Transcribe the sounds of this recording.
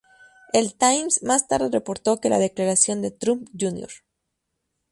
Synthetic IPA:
e̞lt̪ajmsmast̪aɾðe̞repo̞ɾt̪o̞ke̞la̰ðe̞klaɾasjo̞nd̪e̞t̪ɾumpd͡ʒunjo̰ɾ

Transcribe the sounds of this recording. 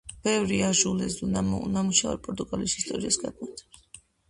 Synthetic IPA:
b̥ɛvɾiaʒulɛzunam̰namuʃavɛ̰ɾpʼɔɾt̪ʼuɡalisist̪ʼɔɾiasɡad̪ʼit̪ʰ

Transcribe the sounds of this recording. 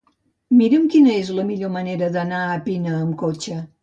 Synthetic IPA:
miɾəmkinəezləmiʎoməneɾəðənaəpinəːmkot͡ʃə

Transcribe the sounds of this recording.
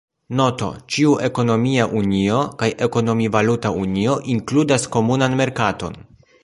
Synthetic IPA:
no̞to̞̰t͡ʃiuʔe̞ko̞no̞miaʔunio̞kajʔe̞ko̞no̞mivalutaunio̞ʔiŋkludasko̞munanme̞ɾkato̞̰n

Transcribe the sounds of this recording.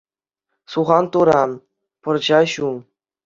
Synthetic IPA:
suʁɑnt̪uɾɑ | pɤ̆rʑɑɕu

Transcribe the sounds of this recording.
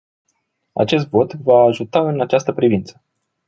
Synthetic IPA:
a̰t͡ʃe̞s̬t̪vo̞t̪vaːʒut̪aɨnat͡ʃast̪əpɾivint̪sə̥

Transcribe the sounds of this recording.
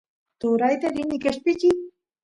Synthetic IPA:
t̪uɾajt̪eɾinikeʃpici

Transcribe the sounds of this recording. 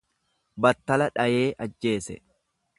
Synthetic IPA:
bɐt̪ːɐlɐᶑɐje̞ːʔɐd͡ʒːe̞ːsɛ̰

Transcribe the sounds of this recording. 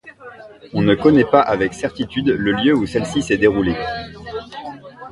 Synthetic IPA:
ɔ̃nəkɔnɛpaʔavɛksɛʁt̪it̪yd̪ləljøusɛlsisɛd̪eʁule

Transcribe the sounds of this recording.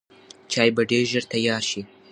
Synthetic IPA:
t͡ʃɑːjbaɖeɾʒəɾt̪ajɑːɾʃi

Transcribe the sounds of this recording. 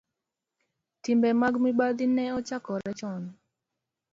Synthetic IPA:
timbɛmaɡmibad̪inɛɔt͡ʃakɔɾɛt͡ʃɔn

